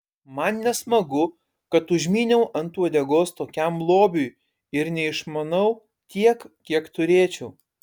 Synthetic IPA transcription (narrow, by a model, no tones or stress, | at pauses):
mɐnnʲɛsmɐɡʊ | kɐt̪ʊʒʲmʲiːnʲɛʊʔɐnt̪uɔd̪ʲɛɡoːst̪oːkʲɛmlˠoːbʲʊj | ɪɾnʲɛɪʃmɐnɐʊ | t̪ʲiɛkkʲiɛkt̪ʊɾʲeːt͡ʃʲɛʊ